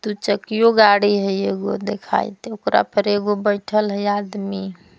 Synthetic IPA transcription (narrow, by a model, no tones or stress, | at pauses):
t̪ut͡ʃəkijoɡaɽiɦəjeɡod̪ekʰa̰jt̪eokɾa̰pəɾeɡobəjʈʰəlɦəjad̪mi